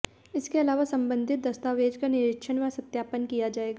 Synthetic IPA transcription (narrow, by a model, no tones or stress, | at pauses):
ɪskeɐlaːʋasɐ̃mbə̃nd̪ʱɪt̪̚d̪ɐst̪aːʋeːd͡ʒkanɪɾɪkʃʰənʋasɐt̪jaːpənkijad͡ʒaːeːɡaː